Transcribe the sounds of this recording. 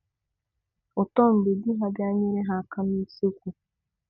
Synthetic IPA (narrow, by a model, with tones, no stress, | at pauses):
ɔ˨tɔ˦m̩˨be˨di˦ɦa˨bja˦ɲɪ˦ɾe˦ɦa˨ka˦ni˦se˦kʷu˨